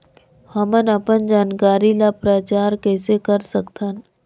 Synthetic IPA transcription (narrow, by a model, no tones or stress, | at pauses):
həmənɐpənd͡ʒaːnkaːɾilapɾaːt͡ʃaːɾkɛːsekəɾsəkt̪ʰan